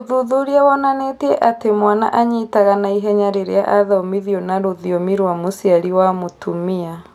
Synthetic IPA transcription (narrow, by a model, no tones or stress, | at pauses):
ðuðuɾiawɔnanetiɛʔatemwana̰ʔaɲitaɣanaiɦɛɲaɾeɾea̰ʔaðaɔmiðiɔnaɾoðiɔmiɾwamosiaɾiwamotʰumia